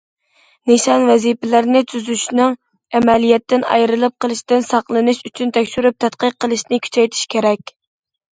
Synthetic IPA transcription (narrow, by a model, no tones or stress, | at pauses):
niʃɑnwɛzipɪlæɾnɪt̪ʰyzyʃnɨŋ | ɛmɛlijɛt̪ːɪnɑ̰jɾɨlˠɨp̚qʰəlˠɨʃt̪ɪnsɑqlˠɨnɨʃyt͡ʃʰynt̪ʰɛkʲʃyɾyp̚t̪ʰɛt̪̚qəqːəlˠɨʃnɪkʲʰy̥t͡ʃʰɛjt̪ʰi̥ʃkʲʰeɾɛkʲ